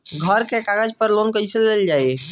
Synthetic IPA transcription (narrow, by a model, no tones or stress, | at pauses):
ɡʱəɾkekaɡəd͡ʒpəɾlonkəisəleld͡ʒaj